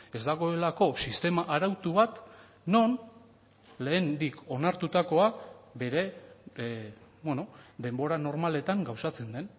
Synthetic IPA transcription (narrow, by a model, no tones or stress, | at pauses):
e̞zd̪aɣ̞o̞e̞lako̞sist̪e̞maʔaɾawt̪uβat̪ | no̞n | le̞ːnd̪iko̞naɾt̪ut̪ako̞aβe̞ɾe̞ | bweno̞d̪e̞mbo̞ɾano̞ɾmale̞t̪aŋɡawsat͡se̞nd̪e̞n